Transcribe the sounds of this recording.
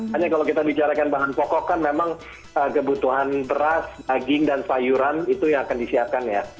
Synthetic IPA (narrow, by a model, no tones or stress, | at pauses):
aɲakalawkit̪abit͡ʃaɾakanbaɦanpɔkɔkːanmemaŋ | əkəbut̪uɦanbəɾasdaɡɪŋdansajuɾanit̪ujaŋakandisiap̚kanja